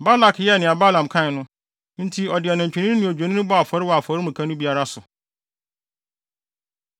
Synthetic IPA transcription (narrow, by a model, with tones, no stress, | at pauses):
ba˦la˨kjɛ˦˨nɪ̃˨a˨ba˦lã˨m˨kʰã˦˨nʊ̃˦ | n̩˦tʰi˦ɔ˨dɪ˨a˨nã˨ɲᶣ˨i˨nɪ̃˦nɪ̃˨o˨d͡ʑᶣo˨nɪ̃˦ʊ̃˦bɔ˦a˨fɔ˨ɾɪ˦wɔ˨a˨fɔ˨˦ɾɪ˦mũ˨kʰã˦nʊ̃˦bi˦a˦ɾa˦sʊ˨